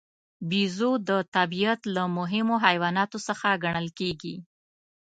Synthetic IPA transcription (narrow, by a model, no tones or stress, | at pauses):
bizod̪ət̪abijat̪lamʊɦɪmoɦajwɑnɑt̪osəxaɡaɳ̃əlkeɡi